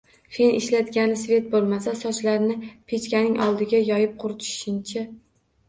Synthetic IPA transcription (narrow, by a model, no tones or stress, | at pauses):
fenɪʃlad̪ɡʲanɪsve̞t̪̚bolˠmasasɒt͡ʃlaɾnɪpʰet͡ʃkʲanɪŋʔɒlˠd̪ɪɡʲajɒjɪp̚qʰʊɾt͡ʃ̪ʰɪ̥ʃɪnt͡ʃʰɪ